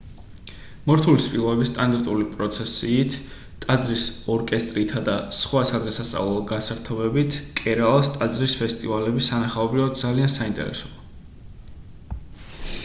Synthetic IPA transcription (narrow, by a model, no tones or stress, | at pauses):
mɔɾt̪ʰulispʼilˠɔbɛbist̪ʼand̪aɾt̪ʼulipʼɾɔt̪sʰɛsiːt̪ʰ | t̪ʼad̪zɾisɔɾkʼɛst̪ʼɾit̪ʰad̪asχwasad̪ʁɛsast̪sʼa̰vlˠɔɡasaɾt̪ʰɔbɛbit̪ʰkʼɛɾalˠst̪ʼad̪zɾispʰɛst̪ʼivalɛbisanaχaɔbɾivad̪̚d̪zaliansaint̪ʼɛ̰ɾɛ̰sɔ̥